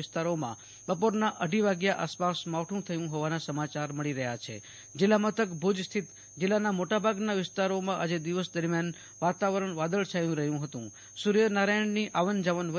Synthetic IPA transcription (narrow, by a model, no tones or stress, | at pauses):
ɪst̪aɾomã̰ | bəpoɾnaʔəɖʱiʋaɡjaʔaspasmaʋʈʰũt̪ʰəjũɦoʋanasəmat͡ʃaɾməɭiɾəɦja̰t͡ʃʰḛ | d͡ʒɪlamət̪əkbʱud͡ʒst̪ʰit̪ | d͡ʒɪlːanamoʈabʱaɡnaʋɪst̪aɾomãʔad͡ʒed̪iʋəsd̪əɾmjan | ʋat̪aʋəɾəɳʋad̪əɭt͡ʃʰajũɾəɦjũɦət̪ṵ̃ | suɾijənaɾajəɳniʔaʋənd͡ʒəʋənʋə